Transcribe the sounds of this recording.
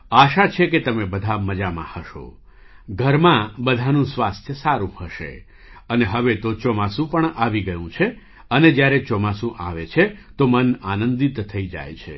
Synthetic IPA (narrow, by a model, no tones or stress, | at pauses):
aʃat͡ʃʰeket̪əmebəd̪ʱaməd͡ʒamã̰həʃo̰ | ɡʱəɾmãbəd̪ʱanũsʋast̪ʰjəsaɾũhəʃḛ | əneɦəʋet̪ot͡ʃɔmasũpəɳaʋiɡəjũt͡ʃʰe | əned͡ʒjaɾet͡ʃɔmasũʔaʋet͡ʃʰet̪omənanənd̪it̪t̪ʰːəid͡ʒa̰jt͡ʃʰḛ